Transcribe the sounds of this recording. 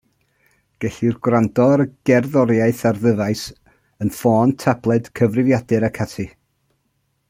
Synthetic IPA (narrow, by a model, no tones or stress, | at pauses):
ɡ̥ɛɬirɡwrandɔɾəɡ̥ɛrðɔɾjaɨθarðəðaɨs | ənfɔːntʰablˠɛd̥kʰəvrɪvjadɨɾakʰatʰi